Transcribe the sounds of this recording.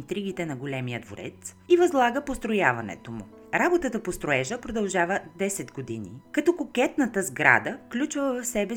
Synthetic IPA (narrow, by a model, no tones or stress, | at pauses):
nt̪ɾiɡ̟it̪ɛnɐɡolɛmijəd̪vo̰ɾɛ̰t̪sivɐzlˠaɡəpost̪ɾojavɐnɛ̰t̪omʊ | ɾabot̪ət̪əpost̪ɾoɛʒəpɾod̪ɐlˠʒavəd̪ɛsɛt̪ɡod̪inḭkɐt̪ɔkokɛt̪nət̪əzɡɾa̰d̪əklʲut͡ʃvəvɐfsɛbɛ